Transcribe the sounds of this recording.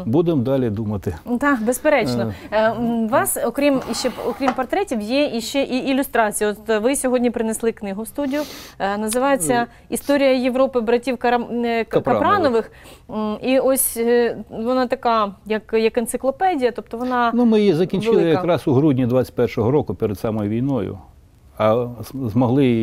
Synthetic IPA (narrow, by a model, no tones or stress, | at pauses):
bud̪ɪmd̪ɑlʲid̪umɐt̪ɪt̪ɑkbespeɾɛt͡ʃnɔ | ʋɑsɔkɾʲimiʃt͡ʃɛɔkɾʲimpɐrt̪ɾɛtʲiwjɛiʃt͡ʃɛʔiilʲʊst̪ɾɑt͡sʲijɐɔt̪ʋɪsʲɔɦɔdʲnʲipɾɪneslˠɪknɪɦʊwst̪udʲijʊnɐzɪʋɑjet͡sʲːɐ | ist̪ɔɾʲijɐjeʋɾɔpɪbɾɐtʲiwkɐkpɐpɾɑnɔʋɪx | iɔsʲ | ʋɔnɑt̪ɐkɑjɐkjɐkɪnsɪklˠɔpɛdʲijɐt̪ɔp̚t̪ɔʋɔnɑnumɪjizɐkʲinʲt͡ʃlɪlˠɪjɐɐkɾɑsʊɦɾudʲnʲid̪ʋat͡sʲɪ̥tʲpɛrʃɔɦɔɾɔkʊpeɾed̪sɑmɔjʊʋʲijnɔjʊ̰ | ɐzmɔɦlˠɪ